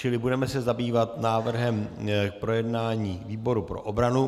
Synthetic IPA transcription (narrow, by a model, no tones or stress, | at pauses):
t͡ʃɪlɪbudɛmɛsɛzabiːvat̪naːvr̩ɦɛmk̚pɾojɛdnaːɲiːviːbo̞ɾupɾo̞̰ʔobɾanu